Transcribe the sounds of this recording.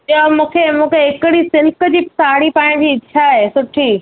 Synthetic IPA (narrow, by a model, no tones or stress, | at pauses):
amũːkʰemũːkʰeɦɪkɪɽisɪlkə̆d͡ʑiːpsaːɽipãːɪ̃d͡ʑiːɪt͡ɕʰaɦesʊʈʰiː